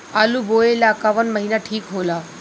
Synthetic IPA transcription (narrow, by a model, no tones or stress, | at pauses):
aːluboːelaːkaʋənməɦiːnaʈʰiːkɦoːlaː